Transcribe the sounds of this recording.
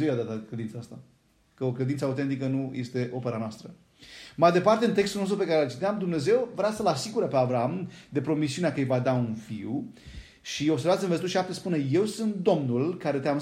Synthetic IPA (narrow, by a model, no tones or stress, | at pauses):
zewjad̪at̪kled̪int̪saast̪a | kəokled̪intsəaut̪e̞nt̪ikənuje̞st̪e̞ʔo̞pe̞ɾanoast̪ɾə | majed̪epart̪e̞ɨnt̪e̞kst̪ulno̞st̪upekaɾelt͡ʃit̪eamd̪umne̞ze̞wvɾeasəlasiɡuɾəpeavɾaamd̪e̞pɾo̞misiuneakəjvad̪aunfiw | ʃio̞bsevat̪sʲinvezt̪uʃiʃap̚t̪espuneje̞wsɨnt̪̚d̪o̞mnulkaɾe̞t̪eam